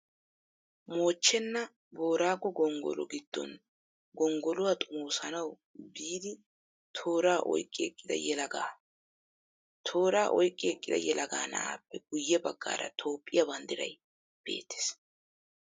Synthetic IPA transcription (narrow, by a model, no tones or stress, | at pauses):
mo̞ːt͡ʃːɛnːɐ | bo̞ːɾaːɡɔɡɔŋɡɔ̰lɔ̰ɡɪd̪̥ːɔ̰n | ɡɔŋɡɔlʊwat̪ʼʊmoːsɐnɐw | biːd̪ɪ | t̪ʰoːɾaːʔɔ̰jkʼːɪɛkʼːɪd̪ɐ̰jɛlɐɡaː | t̪ʰo̞ːɾaːʔɔjkʼːɪɛkʼːɪd̪ɐ̰jɛlɐɡaːnɐ̰aːpːɛɡʊjːɛbɐɡːa̰ːɾɐ̰t̪ʰo̞ːpʼːɪjɐbɐnd̪ɪɾɐ̰j | b̥e̞̰ːt̪ʰːe̥s